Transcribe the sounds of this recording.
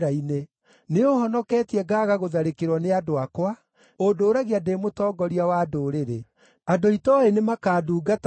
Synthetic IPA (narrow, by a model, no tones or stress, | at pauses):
aine | neoɦɔnɔkɛːtiɛɡaːɣaɣoðaɾekeɾwɔneadoakwa | odoːɾaɣeademotɔːɡɔɾiawadoːɾeɾe | adoitɔenemakaːduːɡat